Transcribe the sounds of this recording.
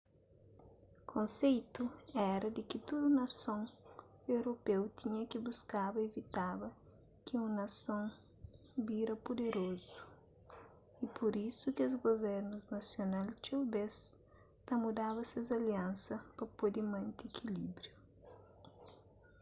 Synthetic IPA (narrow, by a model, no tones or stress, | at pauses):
kʰõnsejt̪uɛɾɐd̪ɪkɪt̪ud̪unɐsõŋ | ewɾopewt̪iɲɐkibuskabɐevit̪abɐ | kɪũnɐsõŋ | biɾɐpod̪eɾozu̥ | ipoɾisukɪozɡoveɾnuznɐsjonalt͡ʃebes | t̪ɐmud̪aβɐsɐzɐliãnsɐpɐpod̪ɪmɐ̃nt̪ekʰilibɾju